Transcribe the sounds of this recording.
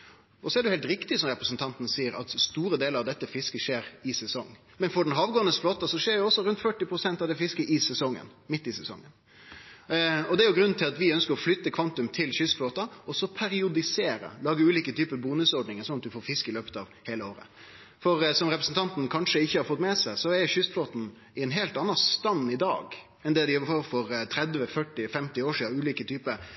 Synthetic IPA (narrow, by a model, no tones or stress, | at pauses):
ɔsɔɛɾɖɛʊhɛlt̪ɾɪkt̪ɪsɔmɾɛpɾəsn̩t̪ʰɑnt̪ənəsiːəɾɑ̰t̪st̪uːɾəd̪eːləɾɑʋd̪ɛt̪ːəfɪskəʂeːɾɪsɛsɔŋː | mɛnfɔɖɛnɦɑːʋɡoːənəsfloːt̪ɑsɔʂeːɖɛjʊɔsːɔɾʉnt̪fœʈːɪpɾʊsɛnt̪ɑʋd̪ɛfɪskəʔɪsɛsɔŋːə̰n | mɪt̪ːɪsɛsɔ̰ŋːən | ɔd̪ɛæɾjʊɡɾʉnːn̩t̪ʰɪlɑt̪ʋɪœnskəɾɔflʏt̪ːəkʰʋɑnt̪ʉmt̪ʰɪlçʏsfloːt̪ɑɔsɔpʰæɾɪʊd̪ɪseːɾə̰lɑːɡəʉːliːkət̪ʰyːpəbuːnʉsɔɖɳɪŋəsɔnɑt̪̚d̪ʉfoːɾfɪskəɪløːpə̥t̪ɑʋheːləoːɾə̰ | fɔɾsɔmɾɛpɾəsn̩t̪ʰɑnt̪n̩kʰɑnʂəɪçːəhɑɾfɔt̪ːmɛsæɪsɔɛçʏsfloːt̪n̩ | ɪɛnɦeːlt̪ɑnːɑst̪ɑnːɪd̪ɑ̰ːɡ | ɛnd̪ɛd̪ɪjfoːfɔɾt̪ʰɾɛd̪ʋəfœʈːɪfɛmt̪ɪoːʂiːd̪ɑʉːliːkət̪ʰyːpəɾ